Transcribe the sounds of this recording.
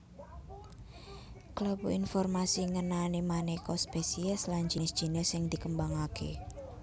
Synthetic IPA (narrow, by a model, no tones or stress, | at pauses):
kləbṵinfɔrmasiŋənanimanekɔspesiɛslaɲd͡ʒi̤nɪsd̥ʒ̥i̤nɛsɪŋd̪̥i̤kəmbaŋakḛ